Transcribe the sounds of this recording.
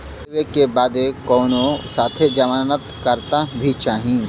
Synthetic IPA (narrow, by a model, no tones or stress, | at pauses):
ʋekebaːd̪ekɔːnõsaːt̪ʰed͡ʒɐmaːnət̪kəɾt̪abʱit͡ʃaːɦĩ